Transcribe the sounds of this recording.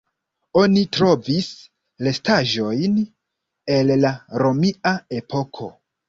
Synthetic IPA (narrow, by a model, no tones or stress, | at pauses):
onitɾo̞vis | le̞staʒo̞jn | e̞lːaɾo̞miae̞pʰo̞kʰo̞̰